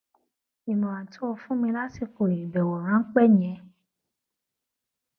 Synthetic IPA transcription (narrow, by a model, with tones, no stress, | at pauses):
i˨mɔ̃˨wã˨tʰo˦wo˧fũ˦mĩ˧la˦si˧ko˨ji˨bɛ˨wɔ˨ɾ̃ã˨˦k͡pɛ˦ɲɛ̃˨